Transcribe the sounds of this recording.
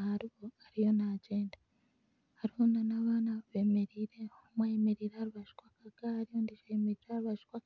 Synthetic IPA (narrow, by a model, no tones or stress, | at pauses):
haɾiβo̞aɾijo̞naːɟeːnda | haɾihonanaβaːnaββeːmeɾiːɾehomwajemeɾiɾahaɾiβaʒu̥kwakaɡahaɾijondiʃajemeɾiɾahaɾuβaʃu̥kwak